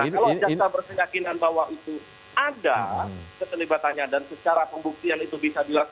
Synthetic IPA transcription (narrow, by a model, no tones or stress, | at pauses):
ahkalad͡ʒasabərkəɲakinanbawaʔit̪u | adakət̪əlibat̪anɲadansət͡ʃaɾapəmbuk̚t̪ianit̪ubisadila